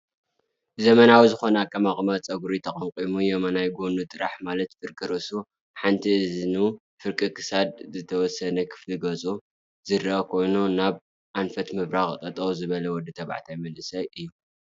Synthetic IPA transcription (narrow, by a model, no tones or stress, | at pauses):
zɐmɐnawizɨxo̞nɐakʼːɐmaχʼmat͡sʼɐɡuɾit̪ʰɐχʼɐŋkʼimujomɐnajɡonut̪ʼɨɾa̰ħmalɐt̪fɨɾkʼɨɾɐsu | ħant̪ʰiʔɨznu | fɨɾkʼɨkʰɨ̥sad̪̚zɨt̪ʰɐwɔsːɐnɐkʰɨ̥fliɡɐt͡sʼu | zɨɾʔɐkʰo̞jnunaβ | ʔanfɐt̪mɨβɾaxt̪ʼɐt̪ʼɐwzɨβɐlɐwɔd̪ɨt̪ʰɐβa̰ʕt̪ʰajmɐlɨsɐjʔɨjːu